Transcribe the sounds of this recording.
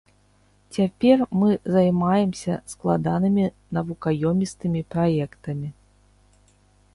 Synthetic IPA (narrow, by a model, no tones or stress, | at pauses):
t͡sʲapʲɛrmɨzajmajɛmsʲɐsklˠad̪anɨmʲi | nɐvukajɔmʲist̪ɨmʲipɾajɛkt̪ɐmʲi